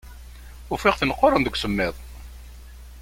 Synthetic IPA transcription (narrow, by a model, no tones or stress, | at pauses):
ʊfɪʁθənəqːoɾˤːənðəkʷːsəmːɪðˤ